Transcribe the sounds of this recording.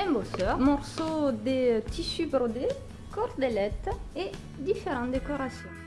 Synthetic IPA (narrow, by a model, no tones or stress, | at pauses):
ɛ̃bosœʁmɔʁsod̪et̪ʰisybʁod̪e | kɔʁd̪elɛt̪e | d̪ifeʁɑ̃t̪d̪ekɔʁasjɔ̃